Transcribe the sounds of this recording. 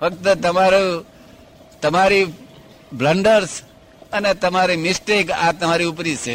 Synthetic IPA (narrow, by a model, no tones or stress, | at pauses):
fʰək̚t̪ət̪əmaɾu | t̪əmaɾi | bləɳɖəɾs | ənet̪əmaɾimɪsʈekat̪əmaɾiupɾisʰe